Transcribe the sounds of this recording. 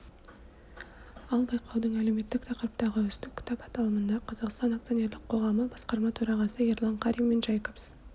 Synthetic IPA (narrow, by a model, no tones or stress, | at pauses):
ɑlˠbɑjqʰɑwd̪əɴæle̞wme̞t̪ːɪk̚t̪ʰɑqəɾəp̚t̪ɑʁəʏst̪ɪkʲʰːʏ̥t̪ɑpɑt̪ɑlˠəmənd̪ɑqʰɑzɑqst̪ɑnakt̪sɨjo̞nʲe̞ɾlɪk̚qʰo̞ʁɑməbɑsqɑɾmɑt̪ʰɵɾɑʁɑsəeɾlˠɑɴqʰɑɾimːenʒɑjkops